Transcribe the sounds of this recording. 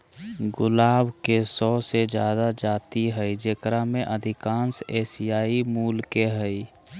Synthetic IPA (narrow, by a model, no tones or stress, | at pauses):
ɡʊlaːbkesɔːsed͡ʒjaːd̪ad͡ʒaːt̪iɦəid͡ʒeːkɾamẽʔəd̪ʱɪkãːnseːsijaːimuːlkeɦəi